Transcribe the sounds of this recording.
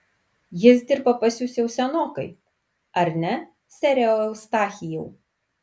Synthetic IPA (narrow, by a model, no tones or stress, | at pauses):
jɪs̬d̪ʲɪɾbɐpɐsʲusʲjɛʊsʲɛnoːkɐɪ | ɐɾʲnʲɛ | sʲɛɾʲɛʊst̪ɑːxʲɪjɛʊ